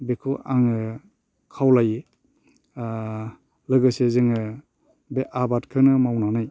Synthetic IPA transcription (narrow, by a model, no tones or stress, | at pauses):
bekʰuʔaŋɯ | kʰawlaje | lɯɡɯsezɯŋɯ | beʔabatkʰɯnɯmawnanaj